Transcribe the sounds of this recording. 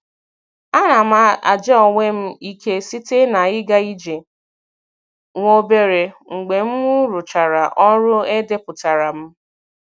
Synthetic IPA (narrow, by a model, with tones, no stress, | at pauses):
a˦na˨m̩a˦a̰˨d͡ʒe˦ɔ˨ŋʷe˦m̩˦i˦kʰe˦si˦te˦na˨ɪ˦ɡa˦i˦d͡ʒe˨ | ŋʷo˦be˦ɾe˨ŋ̩˨ɡ͡be˨m̩˦mu˦ɾu˨t͡ʃa˨ɾa˨ʔɔ˦ɾʊ˦e˦de˦pʊ˨ta˨ɾa˨m̩˦